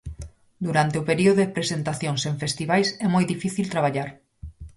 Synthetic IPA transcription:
d̪uɾant̪eopeɾioðoðepɾesent̪aθjoŋseɱfest̪iβajsɛmojðifiθilt̪ɾaβ̞aʎaɾ

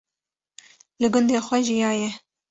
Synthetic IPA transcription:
lɨɡʊnd̪eːxʷɛʒijɑːjɛ

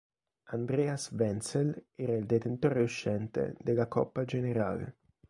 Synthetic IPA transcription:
and̪ɾɛːasvɛnselɛːɾaild̪et̪ent̪oːɾeuʃːɛnt̪ḛd̪elakɔ̰pːad͡ʒeneɾa̰ːlḛ

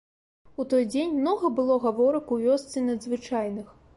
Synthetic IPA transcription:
ut̪ɔjd͡zʲenʲmnɔɣɐbɨlˠɔɣavɔɾɐkuvʲɔst̪sɨnɐd̪zvɨt͡ʂajnɨx

